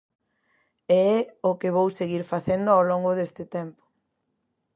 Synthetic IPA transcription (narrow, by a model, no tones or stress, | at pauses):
eɛʊkɪβ̞owseɣiɾfaθend̪oawloŋɡʊðest̪ɪt̪ɛmpo̥